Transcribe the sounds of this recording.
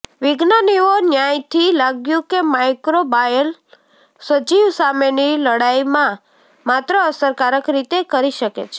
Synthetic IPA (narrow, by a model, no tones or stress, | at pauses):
ʋɪɡnaniʋonjajt̪ʰilaɡjũkemajkɾobajəl | sʋət͡ʃiʋsameniləɽajmã | mat̪ɾəəsəɾkaɾəkɾit̪ekəɾiʃəkḛt͡ʃʰe̥